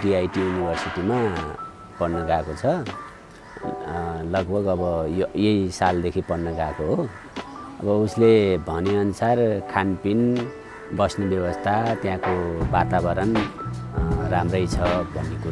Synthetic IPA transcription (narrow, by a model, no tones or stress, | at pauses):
ɖiajʈijunibʱʌrsiʈima | pʌɽnʌɡakot͡sʰʌ | lʌɡbʱʌɡʌbʌjjʌjsald̪ekʰipʌɽnʌɡakoɦo | ʌbʌuslebʱʌneʌnusarkʰanpin | bʌsnʌbjʌbʌst̪ʰat̪jãkobat̪abʌɾʌn | ramrʌjt͡sʰʌbʱʌnːeku